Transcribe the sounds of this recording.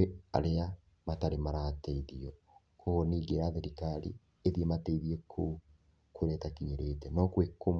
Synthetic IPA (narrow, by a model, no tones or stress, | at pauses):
ea̰ɾea | mataɾemaɾateiðiɔ | kʰoniːɡeɾaðeɾikaɾḭ | eðiemateiðiekʰo | kweɾɛːtakiɲeɾetɛnɔkwekom